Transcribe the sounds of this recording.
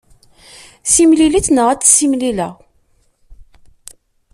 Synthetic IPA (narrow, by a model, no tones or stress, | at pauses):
simlilit͡snəʁæt͡sːsimlilæ